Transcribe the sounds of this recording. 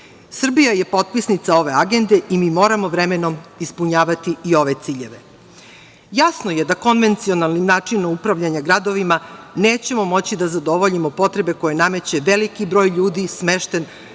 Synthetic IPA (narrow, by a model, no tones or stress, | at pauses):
sr̩bijaje̞po̞t̪̚pisnit̪sao̞ʋe̞aɡe̞nd̪e̞ʔimiːmo̞ːɾamo̞ʋɾemeno̞mispuɲaːʋat̪iio̞ʋe̞t̪siːʎe̞ʋe | jasno̞je̞d̪ako̞nʋe̞nt̪sio̞nalˠnimnaːt͡ʂinomupɾaʋʎaɲaɡɾad̪o̞ʋimane̞ːt͡ɕe̞mo̞mo̞t͡ɕid̪azad̪o̞ʋo̞ʎimo̞po̞t̪ɾe̞be̞ko̞jename̞t͡ɕe̞ʋe̞likibɾo̞ːjʎuːd̪isme̞ʃt̪en